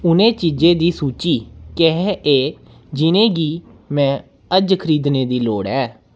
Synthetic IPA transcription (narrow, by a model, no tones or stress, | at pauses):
ʊnẽːt͡ʃiːd͡ʒẽːd̪iːsuːt͡ʃiːkɛɦeː | d͡ʒɪnẽːɡiː | mɛ̃ː | əd͡ʒkʰəɾiːd̪neːd̪iːloːɽɛː